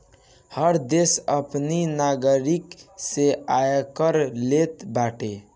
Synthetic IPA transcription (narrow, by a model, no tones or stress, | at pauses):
həɾd̪esəpninaɡəɾikseajkəɾlet̪baʈe